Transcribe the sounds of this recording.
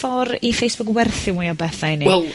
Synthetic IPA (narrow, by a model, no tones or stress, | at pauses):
ɔɾifejsb̥ʊkwɛrθɪmujɔbɛθajniwɛlˠ